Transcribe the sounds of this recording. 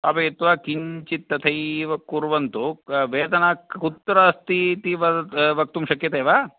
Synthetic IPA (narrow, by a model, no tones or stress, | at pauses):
ɐpɐjet̪ːʋaːkiɲt͡ʃit̪ːɐt̪ʰɐjʋɐkːuɾʋɐnt̪uʋeːd̪ɐnaːkut̪ːɾɐst̪it̪iʋɐʋɐk̚t̪umʃɐkjɐt̪eːʋaː